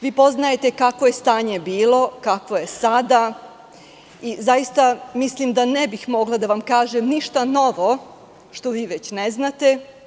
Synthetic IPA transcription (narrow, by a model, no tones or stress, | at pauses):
ʋiːpo̞znaje̞t̪e̞kakʋo̞je̞st̪aːɲe̞biːlo̞kakʋo̞je̞sad̪a | izajist̪amislimd̪anebixmo̞ɡlˠad̪aʋamkaːʒemniʃt̪ano̞ʋo̞ | ʃt̪o̞ʋiːʋet͡ɕneznat̪e̞